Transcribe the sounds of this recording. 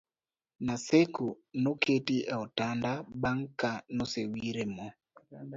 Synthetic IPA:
naseku | noketiʔaotandabaŋkanosewiɾemɔ

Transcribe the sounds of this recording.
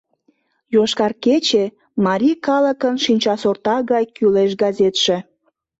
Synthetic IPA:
joʃkɑrket͡ɕe | mɑɾʲikɑləkənʃinʲt͡ɕɑsort̪ɑɣɑjkyleʃɡɑzet̪ʃĕ

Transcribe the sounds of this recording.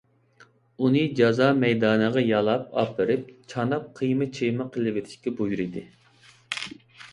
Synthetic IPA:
unɨd͡ʒɑzɑːmɛjd̪ɑːnɨʁɑjɑlˠɑp̚ɑ̰pʰːɨɾɪp̚t͡ʃʰɑnɑp̚qʰəjmɨt͡ʃʰejmɨqʰəlˠɨvet̪ʰɪ̥ʃkʲɛbojuɾɪd̪ɨ

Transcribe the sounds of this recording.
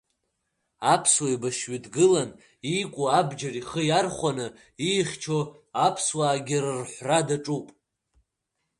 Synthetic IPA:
apʰswaibaʃɥidɡɨlan | ikʷʼuabd͡ʒariχəjarχʷanɨ | iχʲt͡ʃʰo | apʰswaːɡʲɪrrħʷradaʈ͡ʂʼupʼ

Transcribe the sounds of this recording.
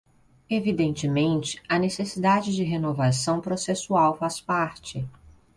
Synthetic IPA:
evid̪ẽnt͡ʃɪmẽnt͡ʃɪ̥ɐnesesid̪ad͡ʒɪd͡ʒɪɦenovasɐ̃w̃pɾosesuawfaspaɾt͡ʃɪ

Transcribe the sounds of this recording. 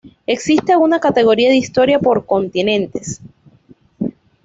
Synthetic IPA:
e̞ksist̪e̞alɣunakat̪e̞ɣ̞o̞ɾiaðeist̪o̞ɾjapo̞ɾko̞nt̪inẽ̞nt̪e̞s

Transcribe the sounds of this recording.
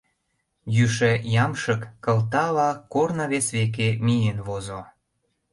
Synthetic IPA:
jyʃĕjɑmʃə̆kːəlt̪ɑlɑkornɑβesβek̬emijenβozo

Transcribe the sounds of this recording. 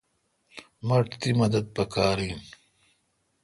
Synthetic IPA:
mɐʈt̪imɐd̪ɐd̪̚pɐkaːɾiːn

